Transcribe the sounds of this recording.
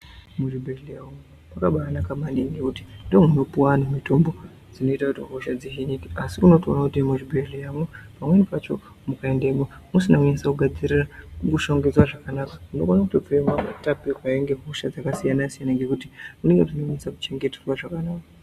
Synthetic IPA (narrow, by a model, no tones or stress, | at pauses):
muʐibʱelejawamepakaɓaːnakamaneŋɡekuti̥ndomuno̞puwanamito̞mbo̞ | d͡zino̞itakutoɦoʃad͡ziɦinikiasiuno̞toonakutimuʐibʱelejamwepamwe̞nipat͡ʃo̞̰ | mukaendemo | mosinakuenisakuɡʱad͡ziriraŋɡuʃo̞ŋɡed͡zwaʐakanakḁmuno̰konakutop͡firemwatapirwaeŋɡe̞ɦoʃad͡zakasijanasijanaŋɡe̞kutiune̞ŋɡeʐinokenisaku̥t͡ʃe̞ŋɡe̞terwaʐakanaːka